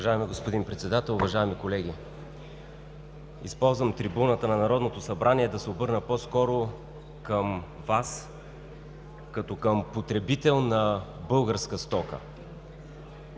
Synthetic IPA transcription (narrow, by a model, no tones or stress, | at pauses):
vɐʒaɛmiɡospod̪inpɾɛt̪sɛd̪at̪ɛlˠʊvɐʒaɛmikolɛɡ̟i | ḭspɔlˠzvəmt̪ɾibunət̪ənɐnɐɾɔd̪not̪osɐbɾaniɛd̪ɐsɛobɤɾnəpɔskɔɾo | kəm | vas | kɐt̪ɔkəmpot̪ɾɛbit̪ɛlˠnɐbɤlˠɡəɾskəst̪ɔkə̰